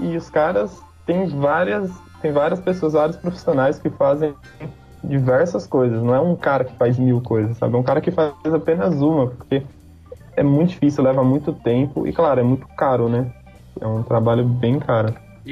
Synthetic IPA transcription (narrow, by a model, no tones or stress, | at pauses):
ɪʊskaɾɐs | t̪ẽj̃vaɾiɐst̪ẽj̃vaɾiɐspesoɐzvaɾiɐspɾofi̥sionajskɪfazẽ | d͡ʒivɛɾsɐskojzɐsnɐ̃w̃ɛũkaɾɐkɪ̥fajzmiwkojzɐsːa̰bɪɛũkaɾɐkɪfazapẽnɐzũmɐpoɾke | ɛmũt̪ʊd͡ʒifisiuwlɛvamũj̃t̪ʊt̪ẽmpʊ̰ʔɪ̰klaɾʊɛmũj̃t̪ʊ̥kaɾʊnɛ | ɛ̰ũt̪ɾabaʎʊbẽj̃kʰaɾʊ